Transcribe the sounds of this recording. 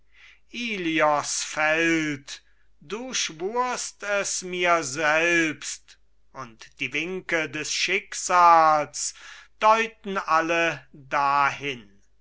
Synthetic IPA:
ʔiːliɔsfɛlt | d̥uːʃvuːɐstɛsmiːɐzɛlpst | ʊntd̥iːvɪŋkədɛsʃɪkz̥aːlsd̥ɔʏtn̩ʔalədahɪn

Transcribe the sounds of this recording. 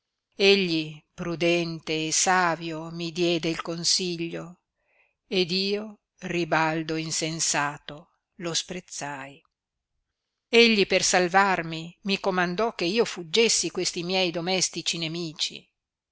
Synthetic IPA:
eʎːipɾud̪ɛnt̪eːsaːvjomid̪jɛːd̪eilkonsiʎːo | ed̪iːo | ribald̪oinsensaːt̪o | lospɾet̪sːaj | eʎːipersalvarmimikomand̪ɔkːeiːofud͡ʒːesːikwest̪imjɛjd̪omɛst̪it͡ʃinemiːt͡ʃḭ

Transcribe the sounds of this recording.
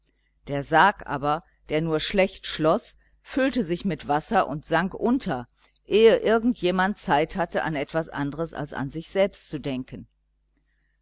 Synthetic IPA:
d̥eːɐzaːkʔa̰ːbɐ | d̥eːɐnuːɐʃlɛçtʃlɔs | fyltəzɪçmɪtv̥asɐʔʊ̰ntz̥aŋkʔʊntʰɐ | ʔeːəʔɪɐɡŋ̩tʰjeːmant̚t͡saɪthatəʔanɛtv̥asʔa̰ndəʁəsa̰lsa̰nzɪçz̥ɛlpstt͡sudɛŋkən

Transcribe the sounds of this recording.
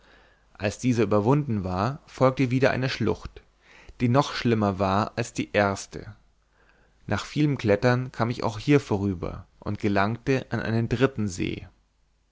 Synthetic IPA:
ʔalsd̥iːzəʔyːbɐvʊndn̩vaːɐfɔlk̚təviːɾɐʔa̰ɪnəʃlʊ̰xt | d̥iːnɔχʃlɪmɐvaːɐalsd̥iːʔeːɐstə̰ | nʔaːχfiːləmkl̥ɛtɐnkʰaːmɪça̰ʊxhiːɐfoːʁ̞yːbɐ̰ʔʊntɡ̥əlaŋk̚təʔanʔa̰ɪnəndʁɪtn̩zḛː

